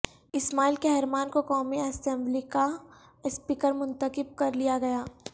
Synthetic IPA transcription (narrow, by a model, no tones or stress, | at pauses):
ɪsmaːilkeɦɛɾmaːnkokɔːmiɐsɛ̃mblika | spiːkəɾmʊ̃nt̪əkɪb̚kɐɾlijaɡɐjaː